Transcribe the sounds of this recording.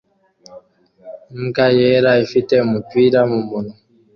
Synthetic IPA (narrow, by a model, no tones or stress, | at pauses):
ŋ̩kajɛɾaifitɛmupiɾamumunu